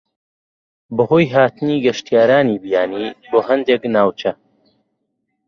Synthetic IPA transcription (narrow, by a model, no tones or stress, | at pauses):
bɐhoːjɦaːt̪ɨniːɡɐʃt̪ijaːɾaːniːbijaːniːboːɦɐnd̪eknaːwt͡ʃɐ